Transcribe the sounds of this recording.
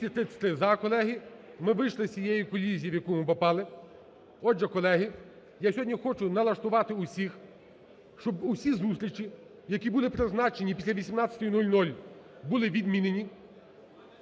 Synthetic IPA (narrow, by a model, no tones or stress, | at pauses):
ɐt̪ɾɪt̪sʲɛ̥t̪ɪzɐkɔlˠɛɦimɪʋɪjʃlˠɪt͡sʲijɛjikɔlʲizʲijiʋjɐkɔmʊpɔpɑlˠɪ | ɔʒɛkɔlˠɛɦi | jasʲɦɔdʲnʲixɔt͡ʃʊnɐlˠɐʃt̪ʊʋɑt̪ɪʊsʲix | ʃt͡ʃɔbʊsʲizust̪ʲɾʲit͡ʃi | jɐkʲibulˠɪpɾɪznɑt͡ʃenʲip̬ʲi̥sʲlʲɐʋʲisʲimnɑtt͡sʲɐ̥t̪ɔjʊnulʲnulʲ | bulˠɪʋʲid̪mʲinenʲi